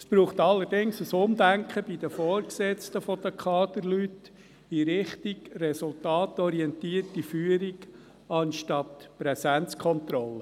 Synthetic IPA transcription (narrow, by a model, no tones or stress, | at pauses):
əsb̥ɾuːχt̪ɑlːəɾdɪŋsəsʊmd̪æŋkʰχəb̥id̪əfɔːɾksɛt͡stəfɔd̪̥əkʰɑːd̪̥əɾlyt | iɾɪχtiɡrɛsʊltɑːt̪ɔɾiɛntiːərtifyːəɾiɡ | ɑnʃtɑtpɾɛsɛnt͡skʰɔnt̪ɾɔlːə